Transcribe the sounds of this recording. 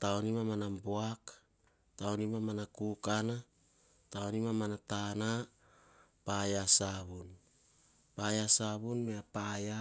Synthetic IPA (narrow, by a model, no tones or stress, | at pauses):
taonimamanamboak | taonimamanakukana | taonimamanatana | pajasaβun | pajasaβunmeapaja